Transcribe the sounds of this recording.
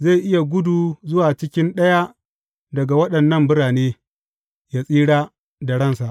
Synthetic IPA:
ze˦˨jʔɪ˦ja˨ɡʷʊ˦du˨zʊ˦waː˨t͡ʃɪ˦kʲɪ˦nɗɐ˦ja˦ | dɐ˨ɡa˨wɐ˦ɗɐ˨nːɐ˦˨mbʊ˦ɾaː˨neː˦ | jaː˦sʼiː˦ɽaː˦ | da˨ɽɐ˦nsa˨ʔ

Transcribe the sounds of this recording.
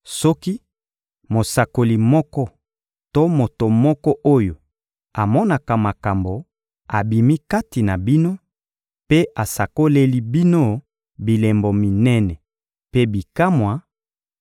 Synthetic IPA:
sɔ˦ki˦ | mo˨sa˨ko˨li˨mɔ˦kɔ˦ | to˦mo˨to˨mɔ˦kɔ˦ʔo˦jo˨ | a˨mɔ˦na˨ka˨ma˨ka˨mbo˨ | a˨bi˨mi˦ka˦ti˨na˨bi˦no˦ | pe˦ʔa˨sa˨ko˦le˦li˦bi˦no˦ | bi˨le˨mbo˨mi˨nɛ˦nɛ˨ | pe˦bi˨ka˦mwa˨

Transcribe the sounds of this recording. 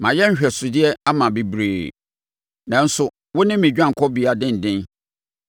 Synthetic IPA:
mã˨jɛ˦ɲ̩˦ɕᶣɛ˨sʊ˨dɪ˦ɛ˦a˦mã˨bi˨bɾeː˨ | nã˨n̩˦sʊ˨ | wʊ˦nɪ̃˦mːĩ˨d͡ʑᶣã˦ŋ̩˨kʰɔ˦bi˨a˨dɪ̃˦n̩˨dɪ̃˦n

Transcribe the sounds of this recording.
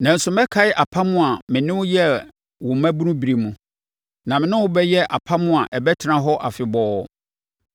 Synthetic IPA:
nã˨n̩˨sʊ˦mɛ̃˦kʰa˨ɪ˦ʔa˨pʰa˦mʊ̃˦a˨mɪ̃˨nɪ̃˦wʊ˦jɛ˦ | wʊ̃˨m˨mæ̃˦bu˦nũ˦bi˨ɾi˨mũ˨ | nã˨mɪ̃˨nʊ̃˦wʊ˦bɛ˦jɛ˦ʔa˨pʰa˦mʊ̃˦a˨ʔɛ˨bɛ˦tʰɪ˦nã˦ɦɔ˦ʔa˨fɪ˨bɔː˦

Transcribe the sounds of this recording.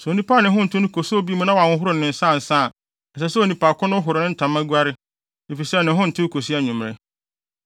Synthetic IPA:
sɛ˨o˨nĩ˦pʰaː˦nɪ̃˨ɦʊ̃˦n̩˨tʰɪ̃˦nʊ̃˦kʰo˨so˦bi˦mũ˦nã˦wã˨wʊ̃˦ɦʊ˦ɾʊ˦˨ɪ̃˨n̩˨sã˦˨n̩˨sã˦˨ | ɛ˨sɛ˦˨sɛ˦o˨nĩ˨pa˨kʰʊ̃˦nʊ̃˦ɦʊ˨ɾɪ˨nɪ̃˦n̩˦tʰã˨mːã˦ɡʷu˦a˦ɾɪ˦ | ne˨fi˨sɛ˦˨nɪ̃˨˦ɦʊ̃˦n̩˨tʰɪ̃˦kʰo˨si˦a˦ɲũ˨m˨ɾɪ̰˦

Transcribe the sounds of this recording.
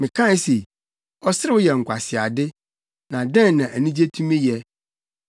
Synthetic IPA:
mɪ̃˨kʰã˦n˦se˨ | ɔ˦sɪ˦ɾɪ˦wʊ˦jɛ˨ŋ̩˨kʷʰa˨sɪ˨a˨dɪ˦ | nã˨dɛ̃˦n˨nã˨ʔæ˨nĩ˦d͡ʑe˦tʰũ˦mẽ˦jɛ˨

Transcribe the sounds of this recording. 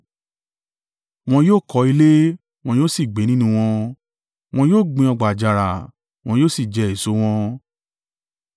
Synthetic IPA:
w̃ɔ̃˧joː˦˨kɔ˨˧˦i˧le˦ | w̃ɔ̃˧joː˦˨si˦˨ɡ͡be˨˦nĩ˦nũ˧w̃ɔ̃˧ | w̃ɔ̃˧joː˦˨ɡ͡bĩ˧ɔ˧ɡ͡ba˨d͡ʒa˨ɾa˨ | w̃ɔ̃˧joː˦˨si˦˨d͡ʒɛ˧˦e˨so˨˦w̃ɔ̃˧˦

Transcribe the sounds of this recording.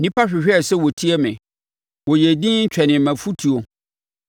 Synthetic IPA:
nĩ˦pʰa˦ɕᶣɪ˨ɕᶣɪ˦ɛ˨sɛ˦wɔ˨tʰi˦ɛ˦mɪ̰̃˨ | wɔ˨je˨dĩ˦ɲ̩˦t͡ɕᶣɛ˨nɪ̃˨mæ̃˨fu˦tʰi˨o˨

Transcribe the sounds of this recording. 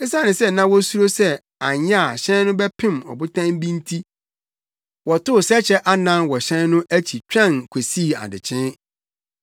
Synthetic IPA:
ɪ˦sa˦˨nɪ̃˨sɛ˦nã˦wɔ˦su˦ɾo˦sɛ˦ | a˨ɲɛ˦a˨ɕɛ̃˦n˦nʊ̃˦bɛ˦pʰɪ̃˦˨mɔ̰˨bʊ˦tʰã˦mbĩ˦ntʰi˦ | wɔ˨tʊ˦˨sɛ˦t͡ɕʰɛ˦ʔa˦nã˦nwɔ˨ɕɛ̃˦nnʊ̃˦ʔæ˦t͡ɕʰi˨t͡ɕᶣã˦˨nkʰe˨siː˦˨a̰˨dɪ̰˨t͡ɕʰɪ̃˦

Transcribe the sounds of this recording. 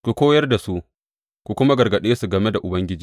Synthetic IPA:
kʷu˨kʷoː˦jɐ˦rda˨su˦ʔ | kʷu˨kʷʊ˦ma˦ɡɐ˨rɡɐ˨ɗeː˦su˨ɡɐ˨me˦da˨ʔʊ˨bɐ˦ŋɡʲɪ˦d͡ʒi˦

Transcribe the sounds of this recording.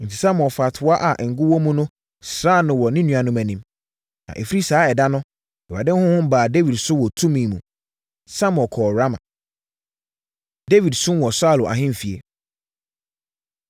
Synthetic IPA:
n̩˨tʰi̥˨sã˦m̃˨ɔ˨fa˨tʰʊ˨a˦ʔa˨ʔŋ̩˨ɡʊ˦wɔ̃˦mũ˦nʊ̃˦ | sɾa˦˨nʊ̃˨wɔ˨nɪ̃˦nũ˨˦a˨nʊ̃˦mæ̃˨nĩ˦m | nã̰˨ʔɛ˨fi˦ɾi˦saː˨˦ɛ˨da˦nʊ̃˦ | ɛ˨a˨dɪ̃˦n˦hʊ̃˦hʊ̃˦m˦baː˨de˦wi˨dsʊ˦wɔ˨tʰũ˦mĩ˨mũ˨ | sã˦m˨ɔ̃˨kʰɔː˨ɾa˦mã̰˨ | de˦wi˨dsʊ̃˦m˦wɔ˨sʊ˦a˦˨lʊ˨ʔa̰˨ɦɪ̃˦m˨fi˨ḛ˨

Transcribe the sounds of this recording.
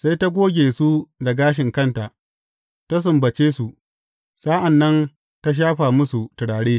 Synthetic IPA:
sa˦jta˦ɡʷoː˦ɡʲeː˨su˦da˨ɡaː˦ʃ̬ɪ˨ŋkɐ˦nta˨ʔ | ta˦s̬ʊ˨mbɐ˨t͡ʃeː˦su˨ʔ | saː˦ʔa˨nːɐ˦n | ta˦ʃ̬aː˦ɸaː˨mʊ˦su˨tɪ˨ɽaː˨ɽeː˦

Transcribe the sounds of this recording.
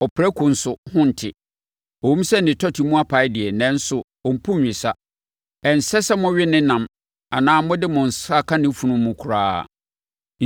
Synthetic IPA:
ɔ˨pʰɾɛ˦kʰʊ˨n̩˨˦sʊ˨hʊ̃˦n̩˨tʰɪ˨ | ɔ˨hũ˦m˦sɛ˦n˨ɪ̃˨tʰɔ˦tʰi˨mũ˦a˦pʰa˨ɪ˦dɪ˨ɛ˨nɛ̃˨˦n̩˦sʊ˨ | ɔ˨m̩˨pʰũ˦ɥᶣɪ˨sa˦ | ɛ˨n̩˨sɛ˦sɛ˦mʊ̃˦ɥɪ˦nɪ̃˦nã˨m | a˨nãː˦mʊ̃˦dɪ˦mʊ̃˨n̩˨sa˦kʰa˦nɪ̃˦fu˨nʊ̃˨mːũ˨kʰu˨ɾaː˦˨

